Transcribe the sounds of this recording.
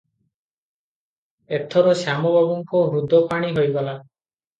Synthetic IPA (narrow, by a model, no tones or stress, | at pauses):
et̪ʰɔɾɔsjamɔbʱabɔŋkɔɦɾud̪ʱːɔpaɽ̃iɦojɡɔla